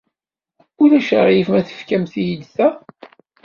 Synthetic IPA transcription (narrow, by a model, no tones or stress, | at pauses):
ʊɾæʃʁjifmæθə̥fkæmθijəd̪θæ